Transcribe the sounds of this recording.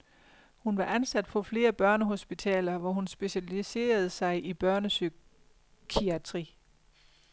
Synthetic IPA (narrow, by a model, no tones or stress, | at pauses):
hunʋɑ̈ʔænsæd̥fʰɒ̽fle̝ːɐb̥ɶɐnəɦo̝sb̥it͡sʰɛ̰ːlɐʋɒɦunsb̥e̝ɕælise̝̰ːɐð̞̩ˠəsɑ̈ɪʔib̥ɶɐnəsy | kʰiæt͡sʰʁi